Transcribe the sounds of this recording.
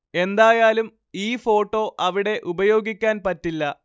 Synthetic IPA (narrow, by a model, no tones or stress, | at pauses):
e̞nd̪aːjaːlum | iːfo̞ːʈːo̞ːʔɐʋiɽe̞ʔubɐjo̞ːɡikʲːaːnpɐtːilːɐ